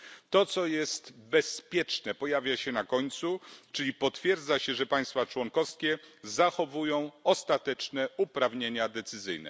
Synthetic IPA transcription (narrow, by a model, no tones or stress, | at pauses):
t̪ɔt̪sɔjɛst̪bɛspʲjɛt͡ʂnɛpɔjavʲjaɕɛnakɔɲt̪sut͡ʂɘlʲipɔt̪fʲjɛɾd̪zaɕɛʐɛpaj̃st̪fat͡ʂwɔŋkɔfskʲɛzaxɔvujɔ̃w̃ɔst̪at̪ɛt͡ʂnɛupɾavɲeɲad̪ɛt̪sɘzɘjnɛ̰